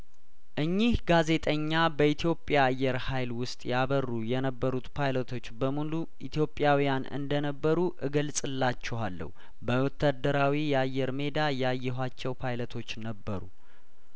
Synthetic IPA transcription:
ʔɨɲːihɡaze̞t̪ʼəɲːabəit̪ʰijo̞pʼjaːjːɛɾhajlwʊst̪ʼjaβərːujɛnəbːəɾut̪pʰajlət̪ʰo̞t͡ʃːbəmulu | ʔit̪ʰijo̞pʼjawijanɨ̰nd̪ənəbːəɾuʔɨɡəlsʼɨlːat͡ʃːɛwalːə̰hu | bəwɔt̪ʰːad̪ːəɾawijɛajːɛɾme̞d̪ajɛajːɛɦʷat͡ʃːɛwpʰajlət̪ʰo̞t͡ʃːnəbːəɾṵ

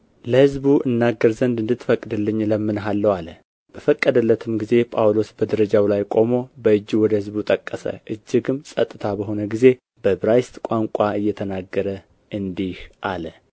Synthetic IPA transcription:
ləhɨzbuʔɨnːaɡːəɾzənd̪ɨnd̪ɨt̪ːfəkʼːd̪ɨlːɨɲːləmːɨnɦalːəwalə | b̥əfəkʼːəd̪əlːət̪ʰɨmɡize̞pʼawlo̞sbəd̪əɾəd͡ʒawlajkʼo̞mo̞bəɨd͡ʒːiwɔd̪əhɨzbut̪ʼəkʼːəsə̰ʔɨd͡ʒːɪɡɨmsʼət̪ʼːɨt̪ʰabəɦo̞nəɡize̞ | bəbɾajst̪ʼkʷʼaŋkʷʼaɨjːɛt̪ʰənaɡːəɾə | ʔɨnd̪ihʔalə

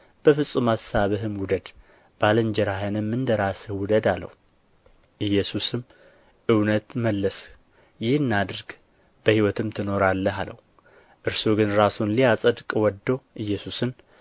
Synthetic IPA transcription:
b̥əfɨsʼumasaβɨɦɨmwʊd̪əd̪ | b̥alənd͡ʒɛɾaɦɨnɨmːɨnd̪əɾasəwʊd̪əd̪alːə̰hu | ʔɨjːɛsusɨm | ʔɨwnət̪məlːəs | jɪhɨnːad̪ɨɾɡ | b̥əhiwɔt̪ɨmt̪ʰɨno̞ɾalːəɦalə̰wu | ʔɨɾsuɡɨnɾasunlijasʼəd̪kʼwɔd̪ːəwʔɨjːɛsusɨn

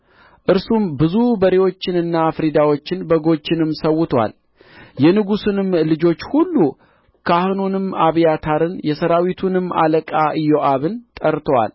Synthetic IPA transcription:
ʔɨɾsumbɨzubəɾewo̞t͡ʃːɪnɨnːafɨɾid̪awo̞t͡ʃːɪnbəɡo̞t͡ʃːɪnɨmːsəwʊt̪ʰwa̰l | jɛnɨɡusɨnɨmlɨd͡ʒo̞t͡ʃːhulːu | kʰahɨnunɨmaβijat̪ʰaɾɨnjɛsəɾawit̪ʰunɨmːa̰ləkʼaʔɨjːoʔaβɨnt̪ʼəɾt̪ʰwa̰l

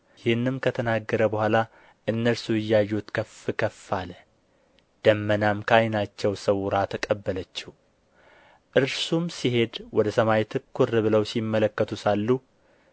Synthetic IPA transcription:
jɪhnːɨmkʰət̪ʰənaɡːəɾəbəhʷala | ʔɨnːəlsuɪjːajːut̪kʰəfɨkʰəfːalə | d̪̥əmːənamkʰajnat͡ʃːɛwsəwɾat̪ʰəkʼəbːələt͡ʃːih | ʔɨɾsumsiɦe̞d̪wɔd̪əsəmajt̪ʰɨkːuɾɨβɨləwsimːələkːət̪ʰusalːu

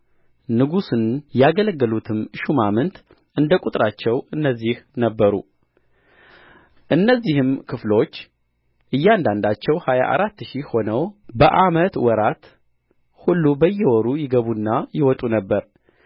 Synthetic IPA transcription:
nɨɡusɨnjaɡələɡːəlut̪ʰɨmʃumamɨnt̪ | ʔɨnd̪əkʼut̪ʼɾat͡ʃːɛwɨnːəzːihnəbːəɾṵ | ʔɨnːəzːihɨmkʰɨflo̞t͡ʃː | ʔɨjːand̪and̪at͡ʃːɛwhaja̰ʔa̰ɾat̪ːʃiho̞nəwbəʔamət̪wɔɾat̪ | hulːubəjːɛwɔɾujɪɡəβunːajɪwɔt̪ʼunəbːəɾ

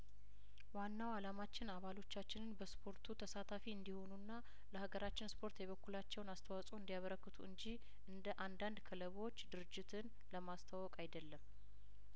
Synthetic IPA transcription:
wanːawalamat͡ʃːɪnaβalo̞t͡ʃːat͡ʃːɪnɨnbəspʰo̞ɾt̪ʰut̪ʰəsat̪ʰafiɨnd̪iho̞nunːa | ləhaɡəɾat͡ʃːɪnspʰo̞ɾt̪jɛβəkːulat͡ʃːɛwnast̪ʰəwasʼuɨnd̪ijaβəɾəkːɨt̪ʰuɨɲd͡ʒih | ɨnd̪əʔand̪and̪kʰələβwo̞t͡ʃːd̪ɨɾɨd͡ʒːɪt̪ʰɨn | ləmast̪ʰawɔkʼajd̪əlːəm

